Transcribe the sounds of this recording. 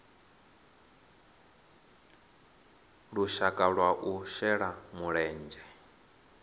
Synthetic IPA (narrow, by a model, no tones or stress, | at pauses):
ɺuʃakʼaɺwaʔuʃɛɺamuɺɛːnd͡ʒɛ